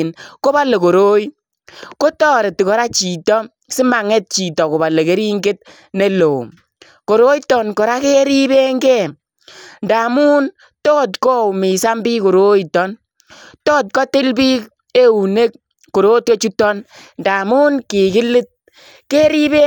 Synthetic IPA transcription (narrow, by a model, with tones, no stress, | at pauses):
nko˦ba˦le˨ko˨ɾo˦j | ko˦tɔː˦ɾe˨tkɔ˨ɾa˦t͡ʃi˨tɔ˦ | sɪ˦ma˨ŋe˦t̚t͡ʃi˨tɔ˨ko˨ba˨le˨ke˦ɾi˦ŋɡe˦t̚ | ne˦lo˨ | ko˨ɾo˦jtɔ˦nkɔ˨ɾa˦ke˦ɾi˦be˦ŋɡe˦˨ | nda˨muː˦n | tɔ˦tkɔ˦˨mi˨sa˦mbiː˦ko˨ɾo˦jitɔ˦n | tɔː˦t̚kɔ˦tɪ˦lbi˦k | e˦u˨ne˦k̚ː | o˨ɾo˦t̚kɔ˦t͡ʃu˦tɔ˦nnda˨mu˦nki˨kɪ˦lɪ˦t̚ | ke˦ɾi˦be˦